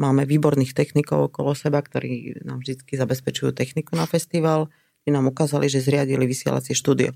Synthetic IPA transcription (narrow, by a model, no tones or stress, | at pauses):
maːmɛʋiːbɔɾniːxt̪ɛxnikɔʊɔkɔlɔsɛbakt̪ɔɾḭːna̰ːmvʒd̪it͡skizabɛspɛt͡ʃujṵːt̪ɛxnikunafɛst̪iʋaːl | t̪inaːmukaːzaliʒɛzɾɪaɟiliʋisɪɛ̰lʔa̰t͡sɪɛʃt̪uːd̪iɔ̰